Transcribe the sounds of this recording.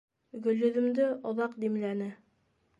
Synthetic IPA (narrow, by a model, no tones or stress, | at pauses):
ɡɵ̆lːɵ̆ðɵ̆md̪ɘŏðɑqd̪imlænɘ